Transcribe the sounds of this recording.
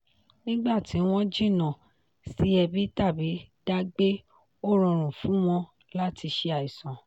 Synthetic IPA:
nĩ˦ɡ͡ba˦˨tʰi˨˦w̃ɔ̃˦d͡ʒi˦˨nã˨ | si˨˦ɛ˧bi˦ta˦˨bi˨˦d̥a˧ɡ͡be˦ | o˦ɾɔ̃˧ɾ̃ũ˨fũ˨˦w̃ɔ̃˧ | la˦ti˧ʃe˧a˨i˨sã˨

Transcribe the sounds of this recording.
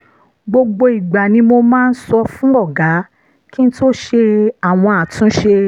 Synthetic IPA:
ɡ͡bo˧ɡ͡bo˧i˨ɡ͡ba˨nĩ˧mo˧mãː˦˧n̩˦sɔ˧fũ˦ɔ˦˨ɡa˨˦ | ki˦n̩˦to˦ʃe˧a˨w̃ɔ̃˧a˨tũ˨˦ʃe˧

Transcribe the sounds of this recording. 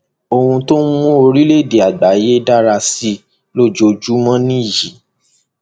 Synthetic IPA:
o˧hũ˧to˦mũ˦o˧ɾi˦le˦˨de˨a˨ɡ͡ba˨˦je˦da˦ɾa˧si˦ | lo˦˨d͡ʒo˧d͡ʒu˦mɔ̃˦nĩ˦˨ji˨˦

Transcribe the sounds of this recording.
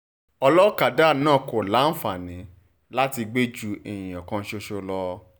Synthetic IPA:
ɔ˧lɔ˦ka˨da˦˨nãː˦˨ko˨la˨˦n̩˦fa˨nĩ˨˦ | la˦ti˧ɡ͡be˦d͡ʒu˦˧ẽ˨ĩ˨ɔ˨kã˧˦ʃo˧ʃo˧lɔ˧

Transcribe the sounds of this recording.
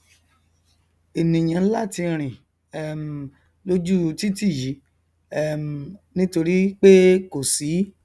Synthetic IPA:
e˨nĩ˨j̃ã˨˧n̩˦la˦˨ti˧ɾ̃ĩ˨ | ɛ˦m˨ | lo˦d͡ʒu˦˧ti˦ti˦˨ji˨˦ | ɛ˦m˨nĩ˦to˧ɾi˦k͡pe˦ko˨si˨˦

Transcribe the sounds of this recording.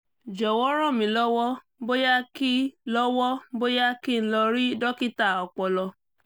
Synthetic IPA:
d͡ʒɔ˨wɔ˦ɾɔ̃˦˨mĩ˨˦lɔ˦wɔ˦m˦bo˦ja˦ki˦lɔ˦wɔ˦bo˦ja˦ki˦˨n̩˦lɔ˧ɾi˦dɔ˦ki˦˨ta˦˨ɔ˨k͡pɔ˧lɔ˧

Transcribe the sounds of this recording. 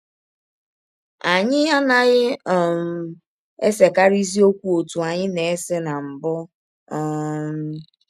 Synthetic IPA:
a˨ɲɪ˦a˦na˦ɣɪ˦˨m̩˨ | e˦se˨ka˦ɾi˦zi˦o˦kʷu˦o˨tu˨a˨ɲɪ˦ne˨e˦sɪ˦na˨m̩˨bʊ˦ | m̩˦

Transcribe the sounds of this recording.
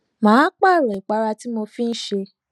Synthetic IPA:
mãː˨˦k͡pa˦˨ɾɛ˨i˨k͡pa˨˦ɾa˧ti˦mo˧fĩ˦n̩˦ʃe˧

